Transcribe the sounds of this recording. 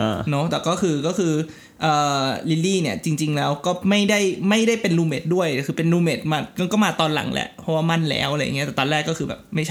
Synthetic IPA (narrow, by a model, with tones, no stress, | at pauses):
ʔa̰ː˧˩nɔ˦˥t̪ɛː˨˩kɔː˥˩kʰɯː˧kɔː˥˩kʰɯː˧ | ʔɤː˨˩li˦˥liː˥˩ni˥˩ɐt͡ɕi˧ŋt͡ɕi˧ŋlɛː˦˥wkɔː˥˩ma˥˩jda˥˩jma˥˩jda˥˩jpe˧nluː˧meː˨˩t̪̚du˥˩əjkʰɯː˧pe˧nluː˧meː˨˩t̪̚maː˧ka˥˧nkɔː˥˩maː˧t̪ɔː˧nla̰˩˦ŋlɛ̰˧˦pʰɔ˦˥waː˥˩ma˥˩nlɛ̰ː˦˥wʔa˨ɾa˧ja̰˨˩ŋi˦˥ɛː˨˩t̪ɔː˧nɾɛː˥˩kːɔː˥˩kʰɯː˧bɛ̰ː˨˩p̚ma˥˩jʰa˥˩